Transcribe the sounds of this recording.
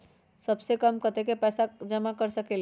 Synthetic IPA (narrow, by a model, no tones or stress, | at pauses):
səbsekəmkət̪ekepɛːsad͡ʒəmakəɾsəkel